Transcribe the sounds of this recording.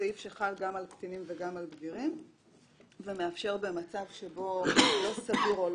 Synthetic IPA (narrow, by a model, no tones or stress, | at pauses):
eifʃeχalɡamalkt̪inimveɡamalɡviʁim | veme̞afʃe̞ʁbe̞mat͡savʃe̞bo̞lo̞saviʁol